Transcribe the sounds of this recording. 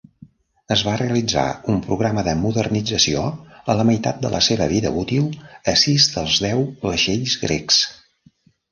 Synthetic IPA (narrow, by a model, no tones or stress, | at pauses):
əzβareəlid͡za̰umpɾuɣɾaməðəmuðərnid͡zəsioələməjt̪at̪̚d̪əlʔə̰seβəβiðə̰ut̪ilˠəsizd̪əlˠzðɛwləʃeʎzɣɾḛks